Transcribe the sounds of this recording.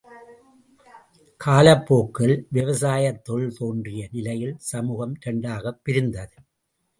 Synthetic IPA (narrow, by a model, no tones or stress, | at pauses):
kʰaːlɐpːoːkːɐɭʋɪʋɐsaːjɐt̪ːɔɭt̪oːndrɪjɐnɪlɐjɪlsɐmuːɣɐmɾɐɳɖaːɣɐpːɪɾɪnd̪ɐðɯ